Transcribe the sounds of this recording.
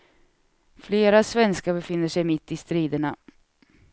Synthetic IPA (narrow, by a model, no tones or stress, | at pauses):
fleːɾasvɛnskabɛfɪnːəʂɛjmɪt̪ːɪst̪ɾiːd̪əɳa